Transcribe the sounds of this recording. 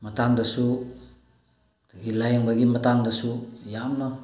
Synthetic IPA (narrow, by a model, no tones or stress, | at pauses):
matandasu | daɡilajŋbaɡimatandasujamna